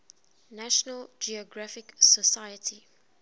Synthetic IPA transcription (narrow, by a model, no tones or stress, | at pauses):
naʃɔnəld͡ʒiɔɡɹafɪksəsajətʰi